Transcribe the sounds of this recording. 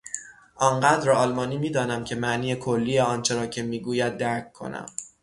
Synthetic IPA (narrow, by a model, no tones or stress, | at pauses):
ʔɒɴɢæːd̪ɾɒːlmɒːniːmiːd̪ɒːnæmcʰe̞mæʔniːjekʰolːiːjeɒːnt͡ʃʰe̞ɾɒːcʰe̞miːɡuːjæd̪̚ːæɾc̚ʰkʰːo̞̰næ̰m